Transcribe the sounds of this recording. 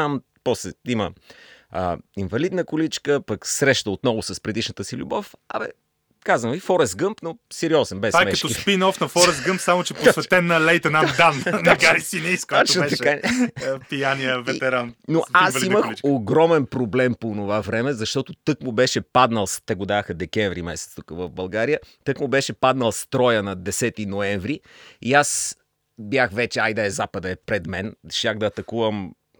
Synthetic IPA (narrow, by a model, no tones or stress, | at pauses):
am | pɔslɛimə | ə̰invɐlid̪nəkolit͡ʃkəpəksɾɛʃt̪əot̪nɔvʊsɐspɾɛd̪iʃnət̪əsilʲṵbɔfɐ̰mɛ̰ | kazənvifɔɾɛsɡɤmpnosɛɾiɔzɛnbɛajmɛkɐtʃɔispinɔfnɐfɔɾɛsɡɤmpsamot͡ʃɛposvɛt̪ɛnːɐlɛjt̪ɐnad̪anːɐɡaɾisinisk̪ɔt͡ʃnoɛt̪ɐʃka | pijanijəvɛɛɾannoasɐliiməxioɡɾɔmɛnpɾoblɛmponovavɾɛmɛzɐʃt̪ɔt̪ot̪ɤkmʊbɛʃɛpad̪nəlˠst̪ɛɡod̪axɐd̪ɛkɛɱvɾimɛsɛt̪st̪ukəvəvbɐlˠɡaɾijət̪ɤkmʊbɛʃɛpad̪nəlˠst̪ɾɔjənɐd̪ɛsɛt̪inoɛɱvɾiias | bjaxvɛt͡ʃɛajd̪əɛzapəd̪ɐɛpɾɛd̪mɛnʃʲaxd̪ɐːt̪ɐkuvəm